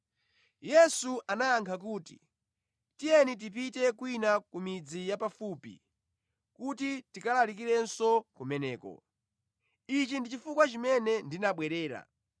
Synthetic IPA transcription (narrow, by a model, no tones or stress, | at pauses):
jɛsuʔanajaŋkʰak̬uːti̥̰ | tijɛnit̬ip̬itɛkwinakumid͡zijapafuːpḭ | kutitikalalikiɾɛnsɔkumɛnɛːkɔ̰ | it͡ʃindit͡ʃifukwat͡ʃimɛnɛndinaɓwɛɾɛːɾa̰